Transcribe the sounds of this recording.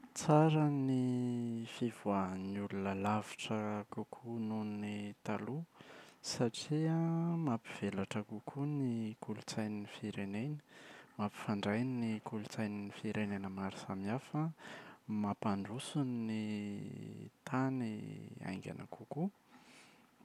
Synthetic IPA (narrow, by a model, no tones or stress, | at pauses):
t͡saɾəni | fivanulunəlaviʈ͡ʂəkukʰununnit̪alusaʈ͡ʂiamapiv̥elaʈ͡ʂəkukʰunikulut͡sajninifiɾenenə̥mapi̥faɳɖ͡ʐajninikulut͡sajninifiɾenenəmaɾi̥samiafə | mapaɳɖ͡ʐusunni | t̪ʰanḭa̰jŋɡʲa̰na̰kuku